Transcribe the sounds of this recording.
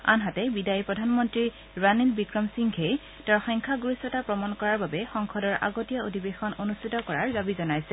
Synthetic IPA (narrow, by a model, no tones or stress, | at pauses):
a̰nɦatɛbidajipɹɔdʱanmɔntɹi | ɹanilbikɹɔmsiŋʱej | taɹxɔjŋkʰaɡuɹisɔtapɹɔmankɔɹaɹbabɛxɔŋkʰɔdɔɹʔa̰ɡotijaodʱibexɔnonustʰitɔkɔɹaɹdabizɔnajsɛ